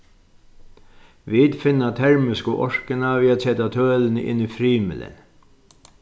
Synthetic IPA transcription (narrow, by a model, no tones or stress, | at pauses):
ʋɪːd̪fɪnːat̪ʰɛɹmɪskəʔɔʂkənaʋɪːad̪sɛt̪at̪ʰœːlnɪ̰nifɾiːmɪ̰lə̰n